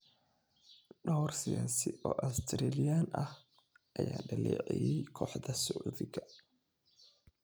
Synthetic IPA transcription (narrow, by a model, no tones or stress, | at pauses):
ɗɔwrsɪjaːsɪʔɔːʔast̪ʰɾɛːlɪjaːnʔɐh | ʔɐjaːɖɐlɛːʕɛjɛjkʰɔːħðɐsʊʔðɪɡɐ